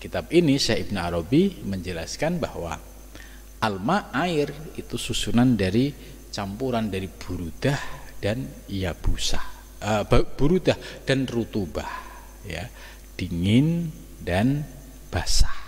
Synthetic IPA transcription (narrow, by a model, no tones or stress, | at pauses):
kit̪ab̚inisahib̚naaɾobiməɲd͡ʒəlaskanbahwa̰ | ʔalmaʔaɪrit̪ususunandaɾi | t͡ʃampuɾandaɾib̥uɾudahd̥an | jab̥usah | əb̥uɾudahd̥anrut̪ubah | ja̰ | d̥iŋɪn | dan | b̥asḁh